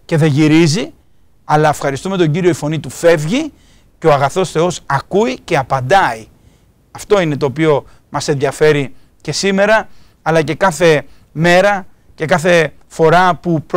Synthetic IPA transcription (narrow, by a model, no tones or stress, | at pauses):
ce̞ðe̞ʝiɾizi | ɐlɐefxɐɾist̪ume̞t̪o̞ɲɟiɾio̞ifo̞nit̪ufe̞vʝi | ceo̞ɐɣɐθo̞sθe̞o̞sɐkuice̞ɐpɐnd̪ɐi | ɐft̪o̞ine̞t̪o̞ːp̬io̞ | mɐsenðjɐfe̞ɾi | ce̞sime̞ɾɐː | lɐce̞kɐθe̞ | me̞ɾɐ | ce̞kɐθe̞ | fo̞ɾɐpup